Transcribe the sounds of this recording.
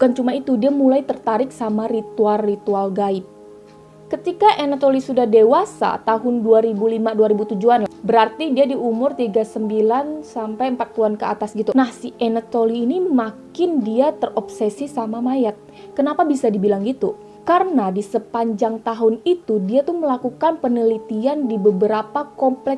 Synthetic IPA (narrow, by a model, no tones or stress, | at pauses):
bukant͡ʃumait̪udiamulajt̪ərt̪aɾɪksamaɾit̪ualːit̪ualɡaɪp̚ | kət̪ikaʔenat̪olisudahdewasa̰t̪aɦʊnduaɾibulimaduaɾibut̪ud͡ʒuanbəɾart̪idiadiumʊrt̪iɡasəmbilansampajəmpat̪̚puluankəa̰t̪asɡit̪unahsiʔenat̪oliːnimakɪndiat̪ərɔp̚sesisamamajat̪̚ | kənapabisadibilaŋɡit̪u | kaɾənadisəpaɲd͡ʒaŋt̪aɦʊnit̪udiat̪ʊhməlakukanpənəlit̪iandibəbəɾapakɔmplɛ